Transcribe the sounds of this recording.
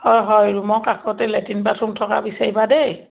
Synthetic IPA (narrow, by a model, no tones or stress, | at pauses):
hɔjɦɔjɹumɔkakʰɔtɛlɛtʰinbatʰuntʰɔka̰bisaɹibadej